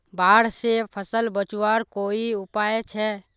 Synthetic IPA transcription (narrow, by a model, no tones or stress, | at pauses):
baːɽsepʰəsəlbət͡ʃuwaːɾkoːiʊpaːet͡ʃʰɛ